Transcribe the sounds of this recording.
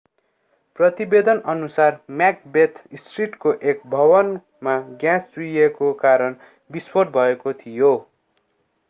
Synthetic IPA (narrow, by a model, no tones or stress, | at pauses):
prʌt̪ibed̪ʌnʌnusarmjak̚bet̪ʰisʈriʈkoʔek̚bʱʌbʌn | maɡjãsd͡zujekokaɾʌn | biswʌɖ̚bʱʌekot̪ʰijo